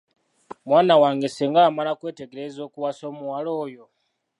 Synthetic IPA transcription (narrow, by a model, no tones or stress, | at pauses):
mwaːnawaŋɡɛsɛŋɡamalakwɛtɛɡɛɾɛzokuwasomuwalɔːjɔ